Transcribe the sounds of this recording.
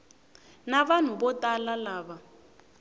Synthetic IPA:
naβan̤ubɔtalalaːβa

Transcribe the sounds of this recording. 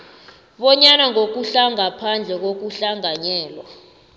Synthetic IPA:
ɓɔɲanaŋok̬uɬaŋapʰand͡ɮʱɛk̬ok̬uɬaŋaɲɛːlwa

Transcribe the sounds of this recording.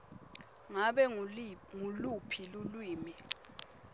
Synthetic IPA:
ŋaɓɛŋulupʰilulwiːmi

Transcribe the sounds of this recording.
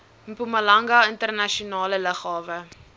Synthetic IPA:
pumɐlɐŋɡɐəntərnɐʃiunɑːlələχɑːvə

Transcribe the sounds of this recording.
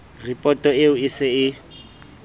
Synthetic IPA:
ripʼɔtʼɔeʊɪsɛɪ

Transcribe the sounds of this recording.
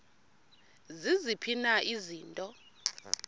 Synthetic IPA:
zizipʰinaʔiziːntʼɔ

